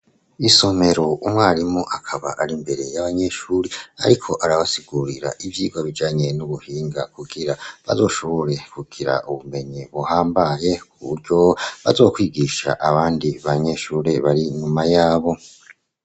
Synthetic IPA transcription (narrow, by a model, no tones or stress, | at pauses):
iso̞me̞ɾo̞ʔumŋaːɾimuʔakʰaβa̰ʔaɾimbe̞ɾe̞jaβaɲe̞ʃuːɾea̰ɾikʰo̞ʔaɾaβasiɡuɾiɾa̰ʔivjiːɡwaβid͡ʒaːɲe̞nuβuhiːŋɡakuɡiɾaβa̰zo̞ːʃo̞βo̞ɾe̞kuɡ̥iɾa̰ʔuβume̞ɲiβuhaːmbaje̞kuβuɾɟo̞βa̰zo̞ːkwiːɡiʃa̰ʔaβaːndiβaɲe̞ʃuːɾeβaɾiɲumajaːβo̞